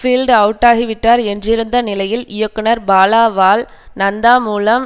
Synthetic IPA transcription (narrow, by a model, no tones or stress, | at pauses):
fiːlɖɐʋɯʈːaːɣiʋɪʈːaːɾɛndrɪɾɯnd̪ɐnɪlɐjɪlɪjɐkːɯnɐɾbaːlaːʋaːl | nɐnd̪aːmuːlɐm